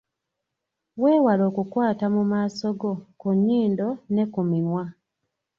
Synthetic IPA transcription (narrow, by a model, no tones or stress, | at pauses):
we̞ːwalo̞ːkukwaːtamumaːso̞ɡo̞kuɲːiːndo̞ne̞kumimwa